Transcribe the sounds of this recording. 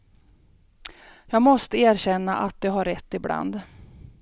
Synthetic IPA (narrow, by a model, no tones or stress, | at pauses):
jɑːɡmɔst̪əeːɾɕɛnːaʔat̪̚d̪ɛɦaɾːɛt̪ːɪbla̰nd̪